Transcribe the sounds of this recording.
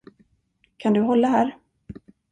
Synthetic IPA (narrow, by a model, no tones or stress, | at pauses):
kʰand̪ɵɦɔlːaɦæːɾ